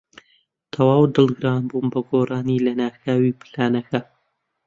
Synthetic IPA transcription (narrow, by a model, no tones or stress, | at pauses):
t̪ʰɐwaːwd̪ɨlˠɡɨɾaːnbunbɐɡoːrʔaːnilɐnaːxaːwiːpɨlaːnɐkɐ